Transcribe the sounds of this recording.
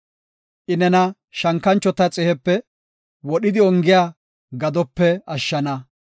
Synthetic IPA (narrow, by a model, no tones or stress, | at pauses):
ʔɪnɛnɐ | ʃɐŋkːɐnt͡ʃːɔt̪ɐt͡sʼɛhɛpːɛ | wɔɗɪd̪ɪɔŋɡɪjaː | ɡɐd̪ɔpːɛɐʃːɐnɐ